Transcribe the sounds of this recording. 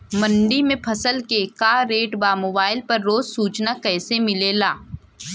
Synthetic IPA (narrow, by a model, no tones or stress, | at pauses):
mɐ̃ɳɖimẽpʰɐsəlkekaːɾeːʈbaːmoːbaːɪlpɐɾːoːzsuːt͡ʃnakɛːsemɪlelaː